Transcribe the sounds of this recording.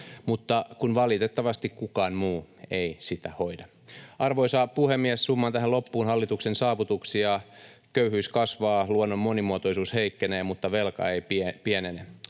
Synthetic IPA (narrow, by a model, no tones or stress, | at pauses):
mut̪ːɑkunʋɑlit̪et̪ːɑʋɑst̪ikkukɑːnmuː | eisit̪æ̰hoidɑ | ʔɑrʋoisɑːpuhemːiɛssumːɑnt̪æhælopːuːnhɑlːit̪uksensɑːʋut̪uksiɑ | køyhyskɑsʋɑːluonːomːonimuot̪oisuːsheikːeneːmut̪ːɑʋelkɑ̰eipiepienene